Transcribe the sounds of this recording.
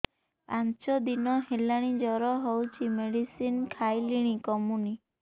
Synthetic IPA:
pant͡ʃɔd̪inɔɦelaɽ̃id͡ʒɔɾɔɦɔwt͡ʃʰimeɽisinkʰajliɽ̃ikɔmuni

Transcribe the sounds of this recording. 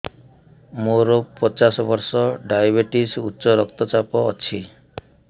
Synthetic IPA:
moɾopɔt͡ʃasɔbɔɾsɔɖajbeʈisutːʃɔɾɔkt̪ɔt͡ʃapɔːt͡ʃʰi

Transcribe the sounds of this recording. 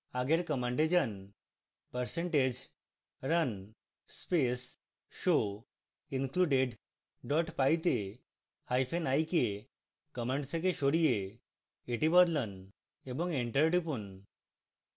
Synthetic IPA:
aɡeɾkəmə̃ɳɖed͡ʑən | pəɾseɳʈed͡ʑ | ɾən | spes | ɕo | inkluɖeɖ | ɖɔʈpajt̪e | hajfenajke | kəmə̃ɳɖsekeɕoɽije | eʈibɔd̪lən | ebəŋɡeɳʈəɾʈipun

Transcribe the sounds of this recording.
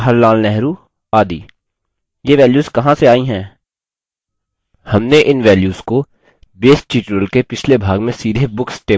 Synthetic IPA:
ɦəɾlaːlnɛɦɾuː | aːd̪ḭː | jeʋɛːljuːzkɐɦãseaːĩɦɛ̃ː | hɐmneʔɪnʋɛːljuːzko | beːsʈt͡ʃiːʈɾəlkepɪt͡ʃʰlebʱaːɡmẽsiːd̪ʱebʊksʈeː

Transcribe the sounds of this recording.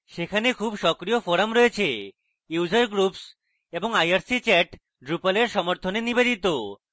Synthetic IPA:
ʃekʰanekʰubʃɔkɾijofoɾamɾoet͡ɕʰe | jud͡ʑaɾɡɾups | eboŋajaɾsit͡ɕɛʈ | ɖɾupaleɾʃɔmoɾt̪ʰonenibed͡ʑit̪o

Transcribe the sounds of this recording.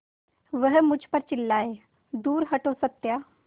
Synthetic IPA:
ʋəɦəmut͡ɕʰpəɾt͡ɕilːae | d̪uːɾɦəʈosət̪ːja

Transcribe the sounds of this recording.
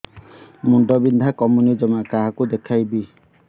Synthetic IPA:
muɳɖɔbind̪ʱakɔmunid͡ʒɔmaʔkaɦakud̪ekʰajbi

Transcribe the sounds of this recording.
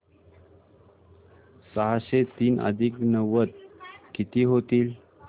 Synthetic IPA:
səɦaɕet̪iːnə̰d̪ʱiːknəʋət̪̚kit̪iːɦot̪iːl

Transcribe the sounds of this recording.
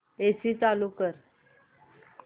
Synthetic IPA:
esiːt͡salukəɾ

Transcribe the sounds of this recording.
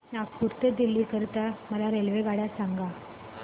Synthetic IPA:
nakkuɾt̪əd̪ilːiːkəɾt̪aməlaɾelʋeɡaɽjasaŋɡa

